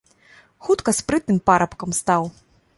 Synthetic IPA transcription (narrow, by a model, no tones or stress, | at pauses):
xut̪kɐspɾɨt̪̚nɨmpaɾɐpkɐmst̪aw